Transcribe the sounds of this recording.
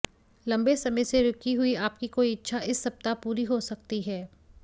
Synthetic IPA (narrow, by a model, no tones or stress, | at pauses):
lɐ̃mbesɐməjseɾʊkiɦʊiaːpkikoːiɪtːʃʰaɪsːɐb̚t̪apuːɾiɦosɐk̚t̪iɦɛː